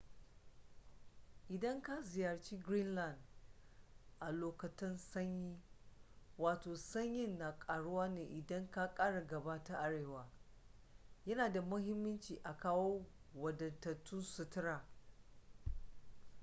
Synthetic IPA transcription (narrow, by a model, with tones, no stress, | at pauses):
ʔɪ˨dɐ˦ŋka˦zɪ˨jɐ˨rt͡ʃiː˦ɡɾi˦nla˦˨nd | ʔa˨loː˨kɐ˨tɪ˦nsɐ˦ɲjiː˦ | waː˨toː˨sɐ˦ɲjɪ˦nːa˨kʼaː˨ɽʊ˦waː˦neː˨ʔɪ˨dɐ˦ŋka˦kʼaː˦ɽa˨ɡɐ˨baː˦ta˦ʔa˦ɽeː˨waː˨ | jɐ˦naː˨da˨mʊ˦ɦɪ˦mːʊ˦nt͡ʃiː˨ʔa˨kaː˦wo˦wɐ˨dɐ˨ntɐ˨tːʊ˦nsʊ˦tɪ˦ɾaː˨